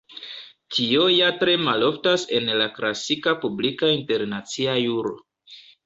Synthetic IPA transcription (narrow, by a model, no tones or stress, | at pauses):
tio̞jatɾe̞malo̞ftase̞̰nlaklasikapublikainte̞ɾnat͡siajuɾo̰